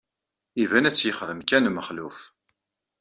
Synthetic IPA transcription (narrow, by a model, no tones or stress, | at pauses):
ivænæt͡sːjəχðəmkænməχluf